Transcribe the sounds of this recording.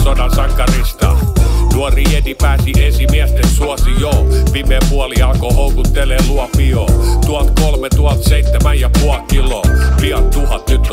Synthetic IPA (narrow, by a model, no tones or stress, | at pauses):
sodɑnsɑkːɑrist̪ɑ̰t̪uɑriːet̪ipæːsiʔensimiæst̪ensuɑsijopimeːpuɑliɑlkohoukut̪ːeleːluɑpio̰t̪uɑlt̪kolmet̪uhɑt̪seit̪ːemæjjɑpuɑlkilːˑoːpiɑt̪t̪uhɑt̪nyt̪